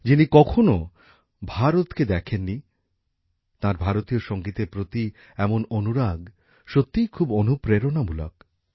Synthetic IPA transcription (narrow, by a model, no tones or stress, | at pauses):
d͡ʑinikɔkʰono | bʱaɾot̪ked̪ɛkʰenːi | t̪ãɾbʱaɾot̪ioʃɔŋɡit̪epɾot̪i | ɛmononuɾaɡ | ʃot̪ːijkʰubonupɾeɾonamula̰k